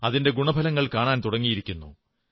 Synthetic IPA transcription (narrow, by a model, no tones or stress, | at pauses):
ɐðinde̞ɡuɳɐbʱɐlɐŋːɐɭkaːɳaːnt̪uɽɐŋːijiɾikʲːunːṵ